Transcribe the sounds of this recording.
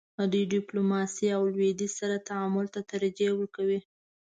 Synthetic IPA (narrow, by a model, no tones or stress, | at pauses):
ad̪ujɖɪplomɑsiawlwed̪isaɾat̪aamʊlt̪at̪aɾad͡ʒewəɾkawi